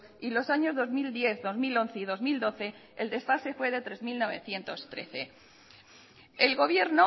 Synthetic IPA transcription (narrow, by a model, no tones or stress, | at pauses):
ilo̞saɲo̞zðozmild̪je̞θðo̞zmilo̞nθeiðo̞zmild̪o̞θe̞eld̪e̞sfase̞fwe̞ð̞e̞t̪ɾe̞zmilno̞β̞e̞̰θje̞nt̪o̞st̪ɾe̞̰θe̞ | elɣo̞βje̞ɾno